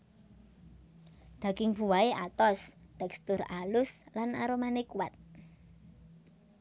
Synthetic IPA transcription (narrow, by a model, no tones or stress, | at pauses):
d̪̥a̤ɡɪŋb̥ṳwaeʔat̪ɔst̪ɛkst̪ʊɾalʊslanaɾomanekuwat̪̚